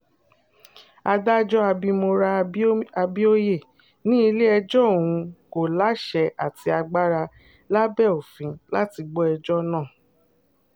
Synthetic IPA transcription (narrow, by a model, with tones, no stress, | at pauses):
a˧da˦d͡ʒɔ˦a˧bi˧mo˧ɾa˧a˧bi˦o˦je˦˨ | nĩ˦i˧le˦ɛ˧d͡ʒɔ˦o˨w̃ũ˧ko˨la˨˦ʃɛ˧˦a˨ti˧a˧ɡ͡ba˦ɾa˧ | la˦bɛ˦˨o˨fĩ˨˧la˦ti˧ɡ͡bɔ˦ɛ˧d͡ʒɔ˦nãː˦˨